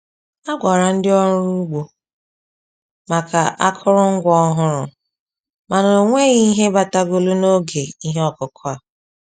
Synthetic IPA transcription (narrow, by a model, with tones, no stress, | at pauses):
a˦ɡʷa˨ɾa˨n̩˦dɪ˦ɔ˦ɾʊ˦ɾu˦ɡ͡bo˨ | ma˨ka̰˨ʔa˦kʰʊ˦ɾʊ˦ŋ̩˦ɡʷɔ˦ɦʊ˦ɾʊ̰˨ | ma˨no˨ŋʷe˦ɣi˦ɦe˦ba˦ta˦ɡo˨lu˦no˦ɡe˨i˦ɦe˦ɔ˨kʊ˨kʰʊ˦a˨